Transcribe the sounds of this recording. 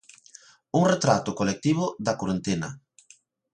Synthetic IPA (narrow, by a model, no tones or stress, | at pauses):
uŋret̪ɾat̪ʊkolek̚t̪iβ̞ʊðakoɾent̪enɐ̰